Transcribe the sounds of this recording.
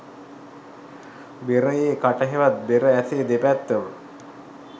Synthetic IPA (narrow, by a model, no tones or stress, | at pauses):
beɾəjeːkaʈəɦeʋat̪̚beɾəæseːd̪epæt̪ːəʋə